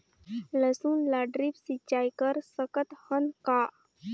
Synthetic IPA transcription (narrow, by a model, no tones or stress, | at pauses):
ləsuːnlaɖɾipsit͡ʃːaːjkəɾsəkət̪hənkaː